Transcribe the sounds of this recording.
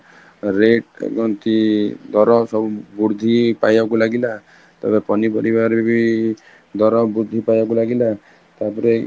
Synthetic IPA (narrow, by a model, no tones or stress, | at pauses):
ɾeʈɡɔnt̪id̪ɔɾɔsɔbubuɾd̪ʱipajbakulaɡila | t̪ḛbepɔnipɔɾibaɾibi | d̪ɔɾɔbuɾd̪ʱipajbakulaɡila | t̪apɔɾe